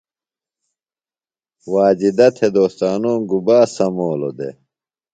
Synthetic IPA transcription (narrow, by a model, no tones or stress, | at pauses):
waːd͡ʑid̪ɐt̪ʰed̪oːst̪aːnoːŋɡubaːsɐmoːlo̰d̪ḛ